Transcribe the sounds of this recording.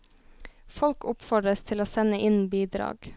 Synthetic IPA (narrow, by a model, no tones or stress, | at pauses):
fɔlkʰʊpfɔɖɾəst̪ʰɪloːsɛnəʔɪnbiːd̪ɾɑ̰ːɡ̥